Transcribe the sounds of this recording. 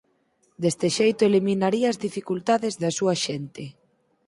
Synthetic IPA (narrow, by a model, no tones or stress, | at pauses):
d̪est̪eʃejt̪ʊelimĩnaɾiɐːzðifikult̪aðɪzðɐsuɐʃent̪ɪ